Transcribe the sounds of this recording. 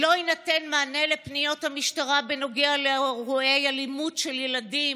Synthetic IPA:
lo̞inatenmaːne̞lepnijo̞thamiʃtaʁabeno̞ɡealeʁuejalimudʃeljeladim

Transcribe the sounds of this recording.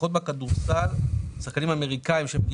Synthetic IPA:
o̞t̪bakad̪uʁsalsaχkanimame̞ʁikaimʃeemɡi

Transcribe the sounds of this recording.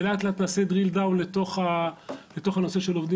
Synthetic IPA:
lat̪lat̪nased̪ʁild̪awlet̪o̞χale̞t̪o̞χano̞se̞ʃelovd̪i

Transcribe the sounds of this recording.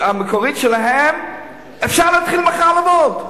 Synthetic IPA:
amekoʁitʃɛlaɦem | efʃaʁlaːt̪χilməχalemod

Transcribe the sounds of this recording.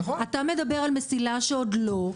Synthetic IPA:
atame̞dabe̞ʁalmesilaʃeo̞dlo̞

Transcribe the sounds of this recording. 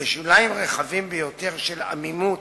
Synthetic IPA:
eʃulaimʁeχavimbejo̞t̪e̞ʁʃela̰mimut

